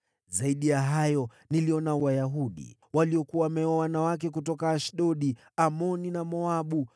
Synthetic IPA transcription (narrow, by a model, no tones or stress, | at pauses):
zaiɗijaɦajɔ | niliɔnawajaɦuɗḭwaliɔkuwamɛwawanawak̬ɛk̬utɔkaːʃɗɔɗi | amɔninamɔaɓu